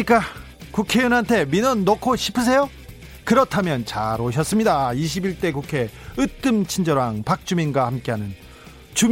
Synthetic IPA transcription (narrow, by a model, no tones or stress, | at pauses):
ik͈a | kukʰe̞junɦantʰe̞minʌnːokʰoɕʰi̥pʰɯs̬ʰe̞jo | kɯɾʌtʰamjʌnt͡ɕa̰ɾoɕ̬ʰʌs͈ɯmɲidaiɕ̬ʰibiɭt͈e̞kukʰe̞ɯt͈ɯmt͡ɕʰind͡ʑʌɾaŋpak̚t͡ɕ͈uminɡwahamk͈eɦanɯn | t͡ɕum